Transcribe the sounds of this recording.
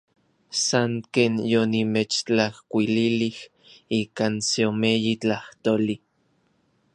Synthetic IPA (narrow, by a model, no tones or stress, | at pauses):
saŋkeːnjonimet͡ʃt͡ɬahkʷililih | iːkaːnseomejit͡ɬaht̪oli